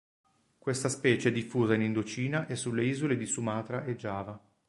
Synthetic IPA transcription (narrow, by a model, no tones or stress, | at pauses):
kwest̪aspɛːt͡ʃeɛd̪ifːuːzainind̪ot͡ʃiːnaʔesːulːeiːzoled̪isumaːt̪ɾaʔed͡ʒːaːva